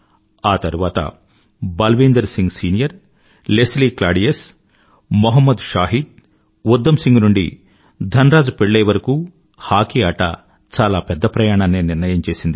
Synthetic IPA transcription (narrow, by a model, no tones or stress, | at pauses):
aːt̪ɐɾuʋaːt̪ɐ̰ | bɐlʋiːnd̪ɐɾsiŋɡsiːnijɐɾ | lesliːklaːɖijes | moɦɐmːɐd̪ʃaːɦid̪̚ | ud̪ːɐmsiŋɡnuɳɖḭ | d̪ʱɐnɾaːd͡ʒupeɭːeːʋɐɾɐkuː | haːkiaːʈɐ̰ | t͡ʃaːlaːpɛd̪ːɐpɾɐjaːɳaːnːeːniɾnɐjɐmt͡ʃe̞ːsind̪i